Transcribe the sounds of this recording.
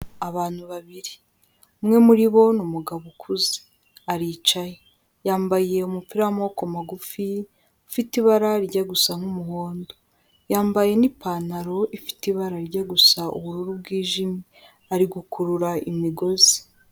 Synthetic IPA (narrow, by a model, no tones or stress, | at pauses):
aβaːn̥huβaβiɾi | umŋe̞muɾiβo̞numuɡaβukʰuze̥ | aɾiːt͡ʃaje | jaːmbaje̞umupiɾamokomaɡufi | afitiβaɾaɾiɟaɡusamumuhoːndo | jaːmbaje̞nipaːnaɾo̞ʔifi̥tiβaɾaɾiɟaɡusaṵβuhuɾubɡiːʒimi | aɾiɡukuɾuɾaimiɡo̞zi̥